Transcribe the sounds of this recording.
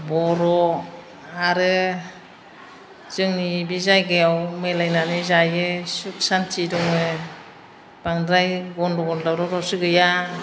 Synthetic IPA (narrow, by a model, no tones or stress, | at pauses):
bɔɾɔ | aɾɯ | z̥ɯŋnibizajɡɯjawmelajnanizajɯsuksantʰidɔŋɯ | b̥aŋdɾajɡɔndɔɡɔldawɾɔɾɔsɯɡɯja